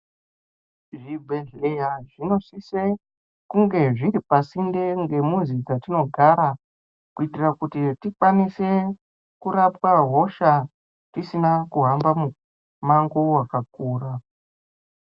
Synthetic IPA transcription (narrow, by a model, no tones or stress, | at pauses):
ʐibʱeɮejaʐino̞sise | kuŋɡe̞ʐiɾipasinde̞ŋɡe̞munzid͡zatino̞ɡʱaɾa | kuitirakutitikwanise̞ | kuɾapwaɦo̞ʃa | tisinakuɦambamu | maŋɡo̞wakak̚uːra